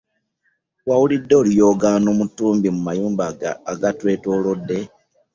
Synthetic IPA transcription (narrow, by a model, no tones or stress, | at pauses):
wawulidːo̞ːljo̞ːɡaːnomutːuːmbimumajuːmbaɡa̰ːɡatwe̞ːto̞ːlodːe̞